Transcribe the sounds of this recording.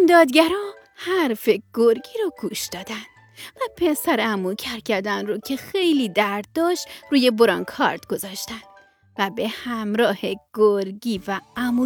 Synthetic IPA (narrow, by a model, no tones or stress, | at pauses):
md̪ɒːd̪ɡæɾɒː | hæɾfe̞ɡ̥oɾɡiːɾɒɡuːʃd̪̥ɒːd̪ænd̪̥ | væpʰe̞sæɾeæmucʰæɾcʰæɾd̪ænɾoːcʰe̞xe̞jliːd̪æɾd̪̚d̪ɒːʃt̪ɾuːje̞boɾɒːnkʰɒ̰ːɾt̪ɡo̞zɒːʃt̪ænd̪̥ | væbehæmɾɒːheɡ̥oɾɟiːvææmu